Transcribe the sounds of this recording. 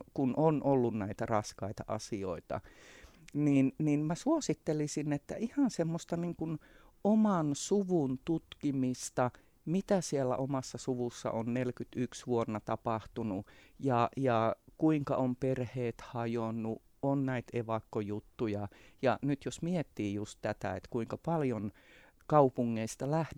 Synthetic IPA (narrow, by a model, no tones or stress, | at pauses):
kunʔonʔolːunnæit̪ærɑskɑit̪ɑʔɑ̰sio̰it̪ɑ̰ | niːnniːnmæsuosit̪ːelisinet̪ːæ̰ihɑnsemːost̪ɑniŋkun | omɑnsuʋunt̪ut̪kimist̪ɑ | mit̪æsielːæ̰ʔomɑsːɑsuʋusːɑ̰ʔonnelkyt̪yksʋuonːɑt̪ɑpɑht̪unu | jɑjɑkuiŋkɑ̰omperheːt̪hɑjonːu | onnæit̪eʋɑkːojut̪ːujɑjɑnyt̪josmiet̪ːiːjust̪t̪æt̪æ̰ḛt̪kuiŋkɑpɑljon | kɑupuŋːeist̪ɑlæh